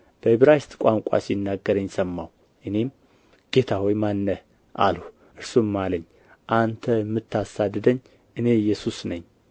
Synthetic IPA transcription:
b̥əɨβɾajst̪ʼkʷʼaŋkʷʼa̰sinːaɡːəɾəɲːsəmːaw | ʔɨne̞m | ɡ̥e̞t̪ʰawɔjmanːə | ʔa̰lu | ʔɨɾsumːaləɲː | ʔant̪ʰəjmːɨt̪ʰːasad̪ːɨd̪əɲː | ʔɨne̞jːɛsusnəɲː

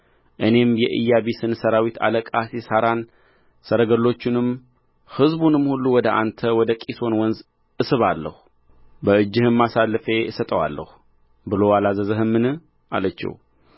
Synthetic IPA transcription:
ʔɨne̞mjɛʔɨ̰jːaβisɨnsəɾawit̪ʰa̰ləkʼasisaɾan | səɾəɡəlːo̞t͡ʃːɪnɨm | hɨzbunɨmhulːuwɔd̪əʔa̰nt̪ʰəwɔd̪əkʼiso̞nwɔnz | ʔɨsɨβalːə̰hu | bəɨd͡ʒːɪhɨmːasalːɨfe̞sət̪ʼəwa̰lːə̰hu | bɨlo̞alazəzəɦɨmːɨnɨh | a̰lət͡ʃːɛ̰w

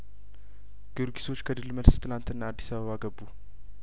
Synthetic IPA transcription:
ɡ̥ɨɾɡisʰo̞t͡ʃːkʰəd̪ɨlːməlst̪ʰɨlant̪ɨnːaad̪ːisaβəβaɡəbːu

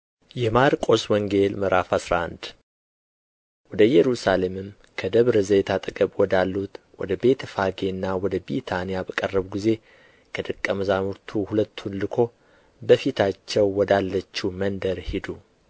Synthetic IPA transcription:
jɛmaɾkʼo̞swɔŋɡe̞lməɾafasɾaand̪ | wɔd̪əjɛɾusale̞mɨm | kʰəd̪əβɾɨzəjt̪ʰat̪ʼɨkʼəβwɔd̪alːut̪wɔ̰d̪əbe̞t̪ʰəfaɡenːawɔd̪əbit̪ʰanijabəkʼərːəβɡize̞ | kʰəd̪ɨkʼːəmɨzamuɾt̪ʰuhulət̪ʰːunlɨkʰo̞ | bəfit̪ʰat͡ʃːɛwːɔd̪alːət͡ʃːumənd̪əɾhid̪u

